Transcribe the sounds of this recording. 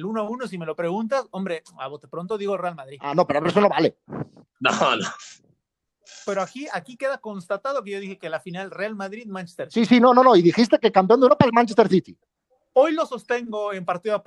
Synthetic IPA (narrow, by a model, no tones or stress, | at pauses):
lunoaunos̬ime̞lo̞pɾe̞ɣunt̪asombɾea̰βot̪epɾo̞nt̪oðiɣorealmaðɾia̰no̞pe̞ɾoaβɾes̬ono̞βale̞no̰no | pe̞ɾoakiakike̞ðako̞nst̪at̪aðo̞k̬e̞jo̞ðixekelafinalrealmaðɾiðmãnt͡ʃe̥st̪eɾsisino̞no̞no̞iðixis̬t̪e̞kekamp̬jond̪ewɾo̞paelmãnt͡ʃest̪e̞ɾθit̪i | o̞jlo̞so̞st̪e̞ŋɡo̞empaɾt̪iðoa